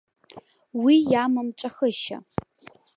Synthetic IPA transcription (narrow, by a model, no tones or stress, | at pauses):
wiːjaːmɐmt͡ʃʼɐxəʃɐ̰